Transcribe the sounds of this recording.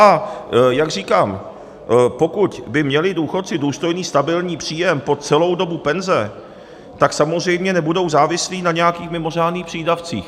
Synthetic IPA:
ʔajaɡr̝iːkaːm | po̞kucbɪmɲɛlɪduːxo̞t̪t͡sɪduːst̪o̞jniːst̪abɪlɲiːpr̝̥iːjɛmpo̞t͡sɛlo̞wdo̞bupɛnzɛ | t̪aksamozrɛjmɲɛnɛbudo̞wzaːvɪsliːnaɲɛjakiːxmɪmo̞r̝aːdniːxpr̥iːdaft͡sḭːx

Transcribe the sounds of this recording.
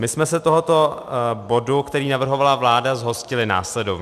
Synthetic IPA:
mɪsmɛsɛt̪oɦot̪o̞bo̞dukt̪ɛɾiːnavr̩ɦo̞valavlaːdazɦo̞scɪlɪna̰ːslɛdov

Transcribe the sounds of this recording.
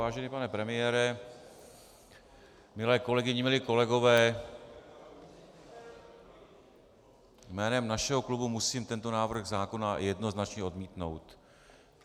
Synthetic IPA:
aːʒɛnipanɛpɾɛmɪjɛːɾɛ | mɪlɛːko̞lɛɡɪɲɪmɪlɪko̞lɛɡo̞vɛː | jmɛːnɛmnaʃɛɦo̞klubumusiːmt̪ɛnt̪o̞naːvr̩ɣzaːko̞najɛdno̞znat͡ʃɲɛo̞dmiːt̪no̞̰wt̪

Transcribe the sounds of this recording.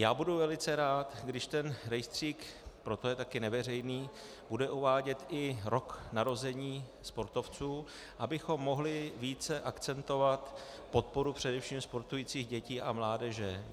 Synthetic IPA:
jaːbuduvɛlɪt͡sɛɾaːt̪ɡdɪʃt̪ɛnɾɛjst̪r̝̥iːkpɾo̞t̪o̞jɛt̪akɪnɛvɛrɛjniː | b̥udɛʔuvaːɟɛt̪ʔɪɾo̞knaɾo̞zɛɲiː | spo̞ɾt̪o̞ft͡suː | ʔabɪxo̞mːo̞ɦlɪviːt͡sɛʔakt͡sɛnt̪o̞vat̪ | po̞t̪̚po̞ɾupr̝̥ɛdɛfʃiːmspo̞ɾt̪ujiːt͡siːɣɟɛciːʔamlaːdɛʒɛ

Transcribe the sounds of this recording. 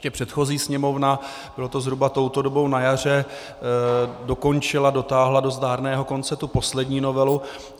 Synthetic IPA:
cɛpr̝̥ɛt̪xo̞ziːsɲɛmo̞vna | b̥ɪlot̪o̞zɦɾubat̪o̞wt̪o̞dobo̞wnajar̝ɛ | do̞ko̞nt͡ʃɪlado̞t̪aːɦlado̞zdaːɾnɛːɦo̞ko̞nt͡sɛt̪upo̞slɛdɲiːno̞vɛlu

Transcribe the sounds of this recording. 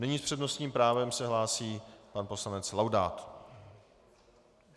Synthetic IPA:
nɛɲiːspr̥ɛdno̞st̪ɲiːmpɾaːvɛmsɛɦlaːsiːpanpo̞slanɛt͡slawda̰ːt̪

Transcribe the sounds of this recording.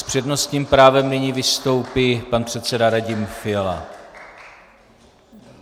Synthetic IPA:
spr̝̥ɛdno̞st̪ɲiːmpɾaːvɛmnɪɲiːvɪst̪o̞wpipanpr̝̥ɛt̪t͡sɛdaɾaɟɪmfɪɛla̰

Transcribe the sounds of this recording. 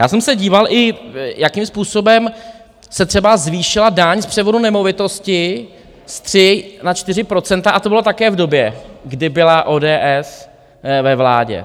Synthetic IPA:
jaːsɛmsɛɟiːvalʔɪjakimspuːso̞bɛm | sɛt̪r̥ɛbazviːʃɪladaɲspr̥ɛvo̞dunɛmo̞vɪt̪o̞scɪ | st̪r̝̥ɪnat͡ʃt̪ɪrɪpɾo̞t͡sɛnt̪aʔat̪obɪlo̞t̪akɛːvdo̞bjɛɡdɪbɪlaʔoːdɛːʔɛs | vɛvla̰ːɟɛ̰

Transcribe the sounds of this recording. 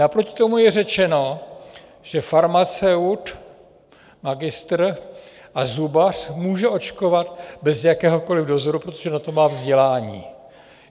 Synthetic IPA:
napɾocɪ̥t̪o̞mujɛrɛt͡ʃɛno̞ | ʒ̥ɛfaɾmat͡sɛut̪ | maɡɪst̪r̩ | ʔazubar̥muːʒɛʔo̞t͡ʃko̞vat̪bɛzjakɛːɦo̞ko̞lɪvdo̞zoɾupɾot̪oʒɛnat̪o̞maːvzɟɛlaːɲḭː

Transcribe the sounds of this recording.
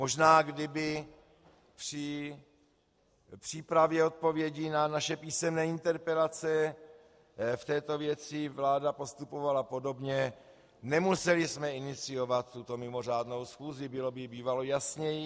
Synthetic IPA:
moʒnaːɡdɪbɪ | pr̥ɪ | pr̝̥iːpɾavjɛo̞t̪̚po̞vjɛɟinanaʃɛpiːsɛmnɛːɪnt̪ɛɾpɛlat͡sɛ | ft̪ɛːt̪o̞vjɛt͡sɪvlaːdapo̞st̪upo̞valapo̞do̞bɲɛ | nɛmusɛlɪsmɛɪnɪt͡sɪjo̞vat̪ːut̪o̞mɪmo̞r̝aːdno̞wsxuːzɪbɪlo̞bɪbiːvalojasɲɛji

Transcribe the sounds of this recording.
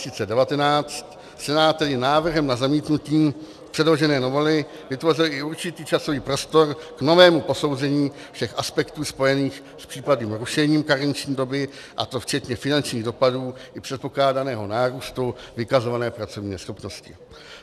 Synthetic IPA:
siːt͡sɛdɛvat̪ɛnaːt͡st̪ | sɛnaːt̪̚t̪ːɛdɪnaːvr̩ɦɛmnazamiːt̪nuciː | pr̝̥ɛdlo̞ʒɛnɛːnovolɪ | vɪt̪vo̞rɪlɪuɾt͡ʃɪt̪iːt͡ʃaso̞viːpɾo̞st̪o̞ɾkno̞vɛːmupo̞so̞wzɛɲiː | fʃɛxʔaspɛkt̪uːspo̞jɛniːx | spr̥iːpadniːmɾuʃɛɲiːmkaɾɲt͡ʃɲiːdo̞bɪ | ʔa̰t̪o̞ft͡ʃɛt̪ɲɛfɪnant͡ʃɲiːɣdo̞paduːʔɪpr̥ɛt̪̚po̞klaːdanɛːɦo̞naːɾuːst̪uvɪkazo̞vanɛːpɾat͡so̞vɲiːɛsxo̞pno̞scɪ

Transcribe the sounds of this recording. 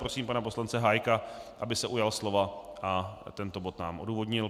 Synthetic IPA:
pɾosiːmpanapo̞slant͡sɛɦajkaʔabɪsɛʔujalslo̞vaʔat̪ɛnt̪o̞bot̪naːmʔo̰duːvo̞d̪ɲɪl

